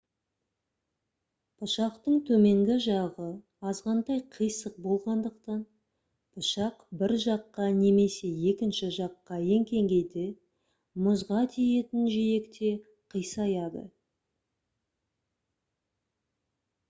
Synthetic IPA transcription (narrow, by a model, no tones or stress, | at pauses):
b̥ʊʃɑqt̪əɴt̪ʰɵme̞ŋɡʲɪʒɑʁə | ɑzʁɑnd̪ɑjqʰəjsəq̚bo̞lˠʁɑnd̪əq̚t̪ɑn | b̥ʰʊʃɑqbɪɾʒɑqːɑne̞me̞se̞je̞kʲɪnʃɪʒɑqːɑje̞ŋkʲʰe̞ŋɡʲe̞jd̪ɪ | mʊzʁɑt̪ʰije̞t̪ɪnʒeje̞kt̪e̞ | qʰəjsɑjɑd̪ə̰